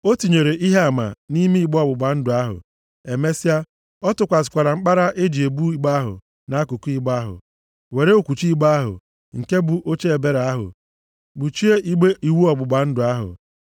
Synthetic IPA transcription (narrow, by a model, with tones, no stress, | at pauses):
o˦ti˨ɲe˨ɾe˨ʔi˦ɦe˦a˨ma̰˨ni˦mi˦i˦˨ɡ͡bɔ˦˨bʊ˨ɡ͡ba˨n̩˦dʊ˨a˦ɦʊ̰˨ | e˨me˦si˦a˦ | ɔ˦tʊ˨kʷa˨s̬ɪ̥˨kʷa˨ɾa˨ŋ͡m̩˦k͡pa˦ɾa˦ʔe˦d͡ʒi˨e˨bu˦i˦ɡ͡ba˦ɦʊ̰˨ | na˨a˦ku˨ku˦i˦ɡ͡ba˦ɦʊ̰˨ | we˨ɾe˦o˦kʷu˨t͡ʃi˦ɡ͡ba˦a˦ɦʊ̰˨ | ŋ̩˨ke˦bu˨ʔo˦t͡ʃe˦e˨be˦ɾa˦ɦʊ̰˨ | bu˨t͡ʃi˦e˦ʔi˦ɡ͡be˦ʔi˨wu˦ɔ˨bʊ˨ɡ͡ba˨n̩˦dʊ˨a˦ɦʊ̰˨